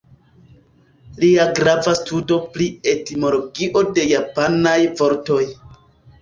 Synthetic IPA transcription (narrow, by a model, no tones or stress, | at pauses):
liaɡɾavastudo̞plie̞timo̞lo̞ɡiʔo̞de̞japanajvo̞ɾto̞j